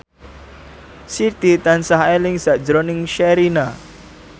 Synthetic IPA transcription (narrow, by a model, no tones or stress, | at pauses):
sit̪it̪ansaɦelɪŋsaʔd͡ʒɾonɪŋʃɛɾina